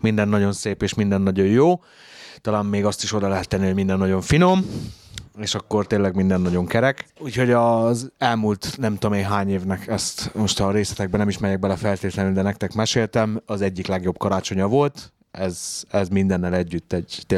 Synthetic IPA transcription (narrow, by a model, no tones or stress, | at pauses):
mind̪ɛnːɒɟo̞nseːpeːʃmind̪ɛnːɒɟo̞jjoː | t̪ɒlaːmːeːɡɒst̪iʃo̞d̪ɒlɛɦɛt̪ːɛnːihomind̪ɛnːɒɟo̞ɱfino̞m | eːʃɒkːo̞rt̪eːlɛɡmind̪ɛnːɒɟo̞ŋkɛɾɛkuːcho̞ɟɒzɛlmuːlt̪nɛmt̪oomeːnɦaːɲeːvnɛkʰɛst̪mo̞ʃt̪ɒɾeːslɛt̪ɛɡ̚bɛnɛmiʃmɛɾjɛkɡ̚bɛlɛfɛlt̪eːt̪lɛnyld̪ɛnɛk̚t̪ɛkmɛʃeːlt̪ɛmɒzɛɟːiklɛɡjo̞b̚kɒɾaːt͡ʃo̞ɲɒvo̞lt̪ | ɛzɛzmind̪ɛnːɛlɛɟːyt̪ːɛɟt̪e